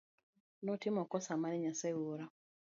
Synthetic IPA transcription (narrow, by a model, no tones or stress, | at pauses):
nɔtimɔkɔsamaɾiɲasɛuɾa